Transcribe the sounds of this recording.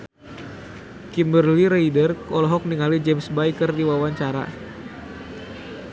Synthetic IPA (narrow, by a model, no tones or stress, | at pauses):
kimbərliɾeidərkɔlɔɦɔk̚niŋalid͡ʒɛmsbajkərdiwawaɲt͡ʃaɾa̰